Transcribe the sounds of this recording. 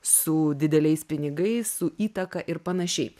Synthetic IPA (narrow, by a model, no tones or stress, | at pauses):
sʊd̪ʲɪd̪ʲɛlʲɛɪspʲɪnʲɪɡɐɪssʊʔiːt̪ɐkɐʔɪɾpɐnɐʃʲɛɪ